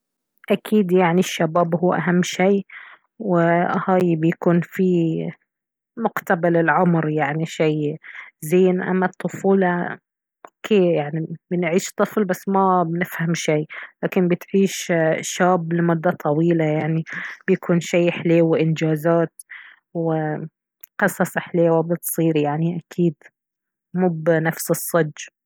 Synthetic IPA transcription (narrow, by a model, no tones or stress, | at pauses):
ʔakʰiːd̪jaʕniʃːabaːbhuːʔa̰ɦamːʃiː | wɪhaːjbɪjakuːnfi | mʊɡt̪abalɪlʕʊmɾjaʕniʃijzeːnʔa̰mːat̪ˤːʊfuːl | ʔokʰːeːjaʕnibɪnʕiːʃt̪ˤːɨflbasːmabɪnɪfhamʃiːlaːkɪnbɪt̪ʕiːʃʃaːbːlɪmʊd̪ːat̪ˤʰɑwiːlajaʕnib̥jakʰuːnʃiːħleːwɪʔɪnd͡ʒaːzaːt̪ | wɪ | qɨsˤɑsˤɪħleːwabɪt̪sˤiːɾjaʕniʔakʰiːd̪ | muːbnafsɨsˤːɑd͡ʒː